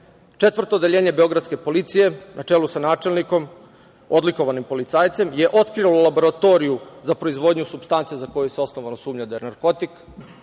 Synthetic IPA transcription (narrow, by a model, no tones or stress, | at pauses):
t͡ʂe̞t̪ʋr̩t̪oːd̪eʎe̞ːɲe̞beo̞ɡɾad̪ske̞po̞lit̪sije̞nʔat͡ʃelusanaːt͡ʃe̞lniko̞m | o̞d̪liko̞ʋanimpo̞lit̪saːjt̪se̞mje̞ʔo̞t̪kɾialolabo̞ɾat̪o̞ɾijuzapɾo̞izʋo̞d̪ɲusubst̪ant̪sijezako̞juseo̞sno̞ʋanosuːmɲad̪ajenaɾko̞t̪ik